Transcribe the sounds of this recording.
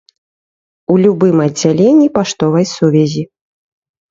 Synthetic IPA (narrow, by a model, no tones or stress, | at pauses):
ulʲubɨmɐd͡zʲalʲenʲːipaʂt̪ɔvɐjsuvʲɛzʲi